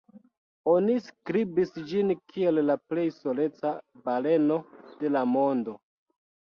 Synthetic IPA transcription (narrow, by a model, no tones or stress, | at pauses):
o̞niskɾibisd͡ʒinkʰie̞lːaple̞jso̞le̞t͡sabale̞no̞d̥e̞lamo̞ndo̞